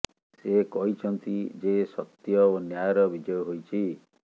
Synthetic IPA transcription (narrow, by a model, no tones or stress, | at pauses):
sekɔɦit͡ʃʰɔnt̪id͡ʒesɔt̪jɔonjajɔɾɔbid͡ʒɔjɔɦojt͡ʃʰi